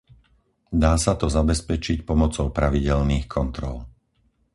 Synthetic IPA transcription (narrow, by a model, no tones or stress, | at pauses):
d̪aːsat̪ɔzabɛspɛt͡ʃicpɔmɔt͡sɔʊpɾaʋiɟɛlniːxkʰɔnt̪ɾɔ̰l